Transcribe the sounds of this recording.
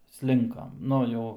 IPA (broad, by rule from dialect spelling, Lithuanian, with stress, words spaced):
ˈsʲlʲɪŋkɐm ˈnʊ jɛʊ